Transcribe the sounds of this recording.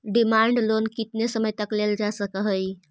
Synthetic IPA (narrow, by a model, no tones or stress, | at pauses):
ɖimaɳɖlonkit̪nesəməjt̪əkleld͡ʒasəkəɦəj